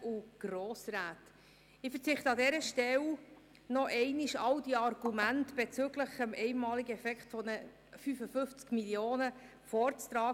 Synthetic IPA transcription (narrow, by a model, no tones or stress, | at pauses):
uɡ̥roːsræːt | ɪfəɾt͡sɪχtəɑdɛɾəʃtɛw | nɔʔɛɪniʃɑwd̥iɑrɡ̥umæntb̥ɛt͡søɡləχəmʔɛɪnmɑːliɡəɛfɛkχtfɔnə | fyfəfʏft͡skmilioːnə | fɔːɾt͡st̪ɾɑː